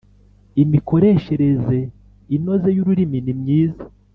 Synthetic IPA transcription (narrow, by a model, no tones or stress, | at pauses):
imiko̞ɾe̞ːʃe̞ɾe̞ze̞ | ino̞ze̞juɾuɾiminimɲiːzḁ